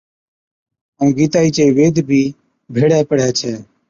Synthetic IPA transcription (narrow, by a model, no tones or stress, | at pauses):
əũːɡiːt̪aːiːt͡ʃeːiːʋeːd̪ʱbʱiː | bʱeːɽɛːpəɽɛːt͡ʃʰɛː